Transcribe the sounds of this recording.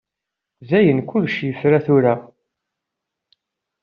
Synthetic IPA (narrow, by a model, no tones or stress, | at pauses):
zæjənkʊlʃjəfɾæθʊɾa